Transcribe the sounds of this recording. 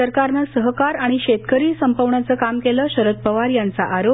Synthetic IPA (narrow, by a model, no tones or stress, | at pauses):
əɾkaɾnasəɦəkaɾaɽ̃iɕet̪kəɾiːsəmpəʋɳat͡səːkamkeləːɕəɾət̪̚pəʋaɾjant͡saʔaɾo